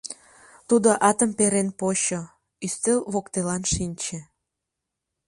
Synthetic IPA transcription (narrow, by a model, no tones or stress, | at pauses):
t̪ud̪oʔɑt̪əmpeɾenpoɕo | yst̪elβokt̪elɑnʃinʲt͡ɕĕ